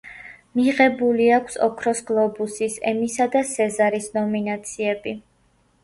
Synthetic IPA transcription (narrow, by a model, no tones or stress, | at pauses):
miʁɛbuliakʷʰsɔ̰kʰɾɔsɡlˠɔbusisɛ̰misad̪asɛzaɾisnɔminat̪sʰiɛbi